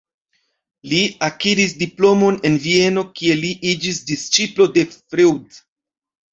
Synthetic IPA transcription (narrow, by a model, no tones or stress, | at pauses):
liakiɾis̬diplo̞mo̞ne̞nvie̞no̞kie̞liʔid͡ʒisdist͡ʃiplo̞de̞fɾewd